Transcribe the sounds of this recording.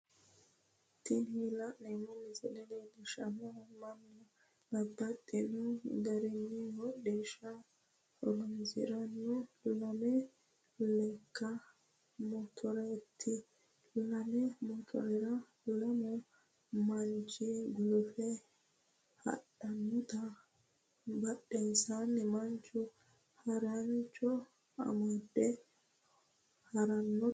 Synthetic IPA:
t̪ːɪnhilɐnːɛmɔnɪzɛdɛnɛd̪ɛʃɐmɔmɐnːʊ | bɐbːɐt̪ʼːɛnɔɡɐɾɛnːɪhɔd̪eːʃɐ | hɔ̰ɾɔnzɪ̰ɾɐnːɔlɐmɛ | lɛkːɐ | mɔt̪ʰɔɾɛt̪ʰːɪ | lamɛmɔt̪ʰɔ̰ɾɛɾa | lɐmɔ | mant͡ʃiɡulfɛ | ha̰ɗanːɔt̪a | baɗːɛnsanːɛmant͡ʃu | hɐɾant͡ʃɔ | a̰mad̪ːɛ | haɾanːɔ

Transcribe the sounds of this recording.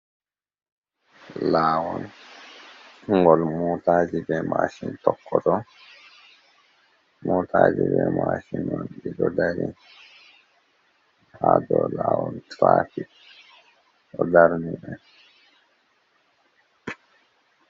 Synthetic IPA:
laːwɔn | uŋɡɔlmɔt̪azibemaʃint̪ɔkːɔt̪ɔ | mɔt̪azibemaʃinɔnbidɔd̪aɾi | ad̪ɔlawɔntɾaːfik̚ | ɔd̪aɾniba

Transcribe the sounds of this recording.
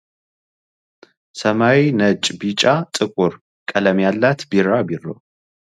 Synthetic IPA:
səmawinət͡ʃʼbit͡ʃʼat̪ʼɨkʼuɾ | kʼələmjalːat̪biɾabirːo̰

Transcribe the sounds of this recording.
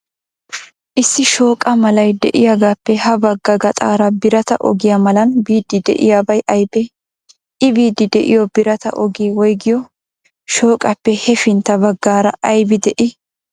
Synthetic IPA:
ʔɪsːɪʃo̞ːkʼɐmɐlɐjd̪ɛ̰ʔɪjaːɡaːpːɛhɐbɐɡːɐɡɐt̪ʼaːɾɐbɪɾɐt̪ɐ̰ʔɔ̰ɡɪjamɐlɐnbiːd̪ːɪd̪ɛ̰ʔɪ̰jaːbɐjʔɐjbɛ | ʔɪbiːd̪ːɪd̪ɛʔɪ̰jɔbɪɾɐt̪ɐ̰ʔɔɡiːwɔjɡɪjɔ | ʃo̞ːkʼɐpːɛhɛfɪnt̪ːɐbɐɡːaːɾɐʔɐjbɪd̪ɛʔɪ

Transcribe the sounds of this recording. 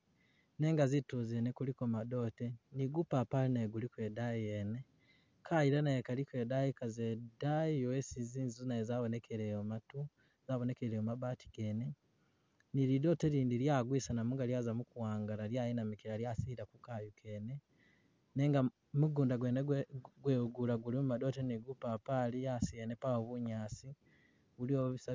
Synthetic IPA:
neːŋɡazituzenekulikomado̞teniɡupapalinaɡulikwedaiene | kajiɾanaekalikeːdajikazedaiowesiziːnzizunaezaβonekʰeɾejomatu | z̥aβone̞keɾeomabaːtʰi̥ɡ̥eːne | niɾido̞ːteɾiːndiɾjaɡwiːsanamuŋɡaljaːzamukuwaːŋɡalaɾjaːjinamikiɾaɾjasiɾakukajukʰe̞ne | neːŋɡa | muɡuːndaɡweːneɡweuɡulaɡulimumado̞teniɡupapalijasijenepaoβuɲaːsi | βulioβisa

